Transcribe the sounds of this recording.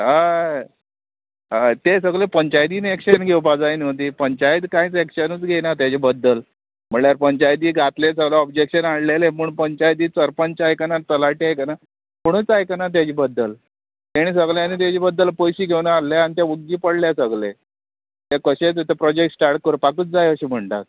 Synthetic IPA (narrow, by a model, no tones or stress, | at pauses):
a | t̪esəɡlepəɲt͡ɕajd̪iːnekɕənɡʱewpad͡zajnət̪̬iːpəɲt͡ɕajd̪kãiːt͡sekɕənut͡sɡʱenat̪jat͡ɕibəd̪ːəl | m̤əɳljaɾpəɲt͡ɕajd̪iːɡʱat̪lesəɡlaɔbd͡ʑekɕənaɽleleməɳpəɲt͡ɕajd̪iːt͡səɾpəɲt͡ɕajkanat̪əlaʈiajkana | pəɽ̃ut͡sajkanat̪̬jat͡ɕiːbəd̪ːəl | t̪aɽ̃is̬əɡlanit̪̬jat͡ɕiːbəd̪ːəlpəjɕiːɡʱewnalːjeanit̪jauɡɡiːpəɽljasəɡlḛ | t̪akəɕet͡set̪epɾɔd͡ʑek̚ʈsʈaɾʈ̚kəɾpakəːt͡sd͡zajəɕiːm̤əɳʈ̪a̰t̪̚